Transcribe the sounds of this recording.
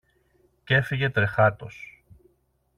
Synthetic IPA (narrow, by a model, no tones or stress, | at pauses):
ce̞fiʝe̞t̪ɾe̞xɐt̪o̞s